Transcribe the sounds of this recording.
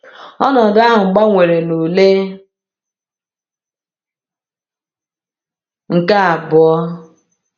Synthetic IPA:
ɔ˦nɔ˨da˦ɦʊ˨ŋ͡m̩˨ɡ͡ba˦ŋʷe˨ɾe˨no˨le˦ | ŋ̩˨ka˦a˨bʊ˨ɔ˦

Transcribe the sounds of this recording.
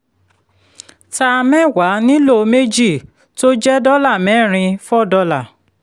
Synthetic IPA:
ta˧mɛ̃˦˨wa˨˦nĩ˦lo˦˨˧me˦d͡ʒi˦˨ | to˦d͡ʒɛ˦dɔ˦la˦˨mɛ̃˨˦˨ɾ̃ĩ˧fɔ˦˨dɔ˧la˨

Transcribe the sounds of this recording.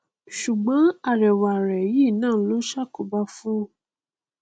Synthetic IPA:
ʃu˨ɡ͡bɔ̃˨˦a˦˨ɾɛ˨wa˨ɾɛ˨ji˦˨nãː˦˨˦lo˦ʃa˦ko˨ba˧fũ˦

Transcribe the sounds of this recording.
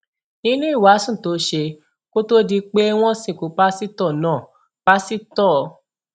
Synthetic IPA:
nĩ˦nũ˦i˦˨wa˨˦sũ˦˨to˨˦ʃe˧ | ko˦to˦di˧k͡pe˦w̃ɔ̃˦sĩ˦˨ku˨˦k͡pa˦si˦tɔ˦˨nãː˦˨ | b̥a˦si˦tɔ˦˨˧

